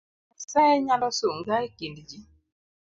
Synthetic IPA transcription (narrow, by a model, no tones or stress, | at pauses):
sɛɲalɔsoŋɡaikindd͡ʒi